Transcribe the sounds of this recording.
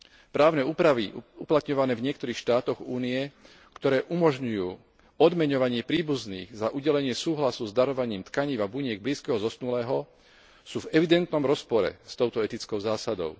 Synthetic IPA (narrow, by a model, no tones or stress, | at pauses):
pɾaːʊnɛːupɾaʋiuplat̪ɲɔʋanɛːvɲɪɛkt̪ɔɾiːxʃt̪aːt̪ɔɣuːnijɛ | kt̪ɔɾɛːʔumɔʒɲujuː | ɔd̪mɛɲɔʋaɲɪɛpɾiːbuzniːɣzaʔuɟɛlɛɲɪɛsuːɦlasuzd̪aɾɔʋaɲiːmt̪kaɲiːvabuɲɪɛɡbliːskɛɦɔzɔsnulɛːɦɔ | suːvɛʋid̪ɛnt̪nɔmɾɔspɔɾɛ̰st̪ɔʊt̪ɔɛt̪it͡skɔʊzaːsad̪ɔ̰ʊ